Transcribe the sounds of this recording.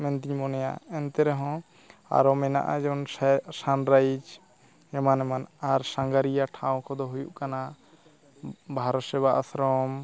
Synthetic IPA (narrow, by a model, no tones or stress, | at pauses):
mɛnt̪iɲmɔnɛja̰ɛnt̪ɛɾɛɦɔ̃ | a̰ɾɔmɛna̰ʔad͡ʒɔnsanɾajd͡ʒ | ɛmanɛmanaɾsãŋɡaɾijaʈʰaw̃kʰɔd̪ɔɦujuʔkana | bʱaɾɔt̪sɛbaʔasɾɔm